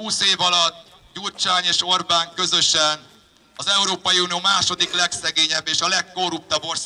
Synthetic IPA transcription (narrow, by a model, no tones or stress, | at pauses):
uːseːvɒlɒt̪ː | ɟult͡ʃaːɲeːʃo̞rbaːŋkø̞zø̞ʃɛn | ɒzɛuɾoːpɒjiuːnioːmaːʃo̞d̪iklɛksɛɡeːɲɛbːeːʃɒlɛkːo̞rːup̚t̪ɒbːo̞rs